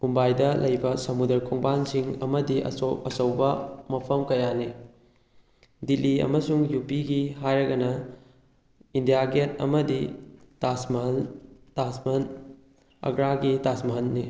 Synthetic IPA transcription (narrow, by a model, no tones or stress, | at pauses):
umbajdɐlʔɐjbɐsɐmudɐɾkʰoŋbansiŋɐmɐdiʔɐ̰oɐsɐwbɐmɐpʰɐmkɐjani | diliɐ̰mɐsuŋjupiɡiɦajɾɐɡɐnɐ | indijaɡetɐ̰mɐditasmɐɦɐntasmɐn | ɐ̰ɡɾaɡitasmɐɦɐnːi